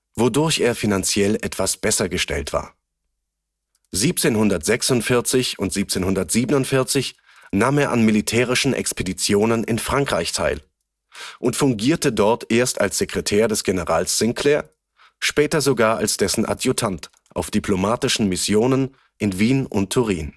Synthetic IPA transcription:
vodʊɐçeːɐfinant͡sjɛlʔɛtv̥asb̥ɛsɐɡəʃtɛ̰ltv̥a̰ːɐ | ziːp̚t͡seːnhʊndɐtz̥ɛksʊntfɪɐt͡sɪçʊntz̥iːp̚t͡seːnhʊndɐtz̥iːbənʊntfɪɐt͡sɪç | naːmeːɐʔanmilitʰɛːʁ̞ɪʃn̩ʔɛ̰kspedit͡sjoːnənɪnfʁ̥aŋkʁ̥aɪçtʰa̰ɪl | ʔʊntfʊŋɡiːɐtədɔɐtʔeːɐsta̰lsz̥ekʁ̥ɛtʰɛːɐdɛsɡ̥enəʁaːlsːɪŋkʰlɛːɐ | ʃpɛːtɐzoɡaːɐalsd̥ɛsn̩ʔa̰djutʰant | ʔaʊfd̥ipʰlomaːtɪʃn̩mɪsjoːnən | ʔɪnviːnʔʊntʰːʊʁiːn

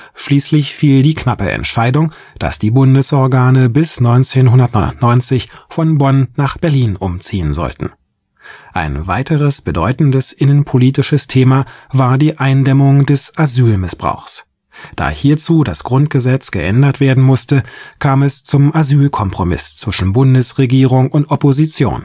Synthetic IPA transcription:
ʃliːslɪçfiːldiːkʰnapə̰ʔɛ̰ntʃaɪdʊŋ | d̥a̰sd̥iːbʊndəsʔɔɐɡaːnəbɪsnɔʏnt͡seːnɦʊndɐtnɔʊ̰ntnɔʏnt͡sɪçfɔnbɔnnaːχb̥ɛɐliːnʔʊmt͡siːənzɔ̰ltn̩ | ʔa̰ɪnvaɪtʰəʁəsb̥ədɔʏtn̩dəsʔɪnənpʰoliːtɪʃəstʰeːmavaːɐdiːʔaɪndɛmʊŋdɛsʔazyːlmɪsb̥ʁa̰ʊxs | d̥a̰ːhiːɐt͡suːdasɡ̥ʁʊnt̚ɡ̥əzɛt͡sɡ̥əʔɛndɐtv̥eːɐdn̩mʊstəkʰaːmɛst͡sʊmʔazyːlkʰɔmpʁ̥omɪ̰st͡sv̥ɪʃn̩bʊndəsʁeɡiːʁ̞ʊŋʊntʔɔpozit͡sjo̰ːn

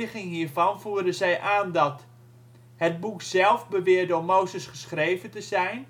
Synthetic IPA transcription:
ɪχɪŋɦiːɹvɑnvuːɹdəzɛjʔaːndɑt | hət̚buksɛlˠfbəʋɪːɹdəɔmowzəsχəsχrejvəntəzɛjn

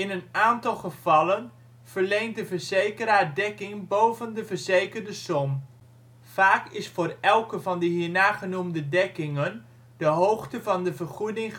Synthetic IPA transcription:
ɪnənaːntɑlˠχəv̥ɑlən | v̥əɹlejnt̚dəvəɹzejkəɾaːdɛkɪŋbowvəndəvəɹzejkərdəsɔm | faːkɪsfʊːrɛlˠkəvɑndəɦiːɹnaːχənumdədɛkɪŋən | dəɦowχtəvɑndəvərχudɪŋ

